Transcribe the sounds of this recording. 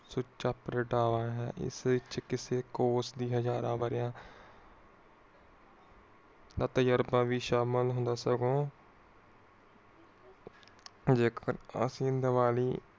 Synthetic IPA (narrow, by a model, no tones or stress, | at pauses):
sʊt͡ʃaːpɾəʈaːʋaːɦɛ̰ːʔɪ̰sʋɪt͡ʃkɪseːkoːsd̪iːɦəd͡ʒaːɾãːʋəɾjãː | d̪aːt̪əjəɾbãːʋiːʃaːməlɦʊ̃nd̪aːsəɡõː | d͡ʒeːkəɾə̰sĩːd̪əʋaːliː